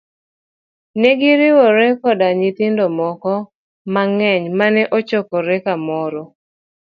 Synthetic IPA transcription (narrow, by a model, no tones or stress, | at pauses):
nɛɡɪɾɪwɔɾɛkɔdaɲɪt̪ɪndɔmɔkɔ | maŋɛɲmanɛʔɔt͡ʃɔkɔɾɛkamɔɾɔ